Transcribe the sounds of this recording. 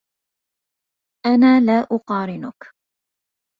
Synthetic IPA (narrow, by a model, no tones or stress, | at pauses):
ʔanaːlaːʔʊqɑːɾɪnʊk